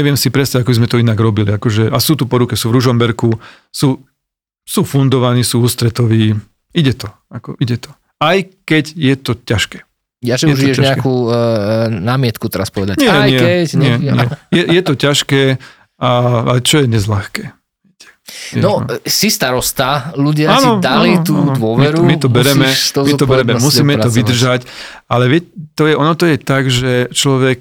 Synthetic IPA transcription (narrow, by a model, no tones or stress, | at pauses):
ɲɛʋɪɛmsipɾɛtst̪aɟakɔbizmɛt̪ɔinaɡɾɔbiliakɔʒɛʔasuːt̪upɔɾukɛsuːvɾuʒɔmbɛɾku | suː | suːfund̪ɔʋaniːsuːuːst̪ɾɛt̪ɔʋiː | iɟɛt̪ɔ | akɔ̰ʔiɟɛt̪ɔ̥ | ajkɛɟjɛt̪ɔcaʃkɛ̥ː | jaʒɛɛuʒiɛʒaɲɛɛakkuː | naːmɪɛt̪kut̪ɛɾaspɔʋɛd̪aɲɪɛɲɪɛkɛɲɪɛɛjɛjɛt̪ɔcaʃkɛː | aaɛt͡ʃɔjɛɲɛzlaxkɛː | ʋɛcɛ̥ɛnɔsist̪aɾɔst̪aluɟɪaaːnɔd̪alit̪uːd̪ʋʊɔʋmiɛɾumit̪ɔbɛɾɛmɛɔmit̪ɔbɛɾɛmɛmusiːmɛt̪ɔʋid̪r̩ʒac | alɛʋɪɛcɛt̪ɔjɛʔɔnɔt̪ɔjɛt̪aɡʒɛt͡ʃlɔʋɛk̚